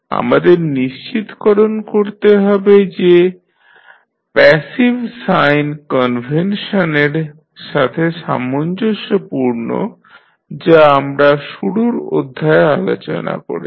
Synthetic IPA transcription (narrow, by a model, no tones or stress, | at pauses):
a̰mad̪eɾniʃt͡ɕit̪kɔɾonkoɾt̪eɦɔbed͡ʑe | pɛsibsajnkɔnbʱenʃoneɾ | ʃat̪ʰeʃa̰mːond͡ʑoʃopuɾno̰ | d͡ʑaamɾaʃuɽuɾo̰d̪ʱːaealo̰t͡ɕo̰na̰ko̰ɾi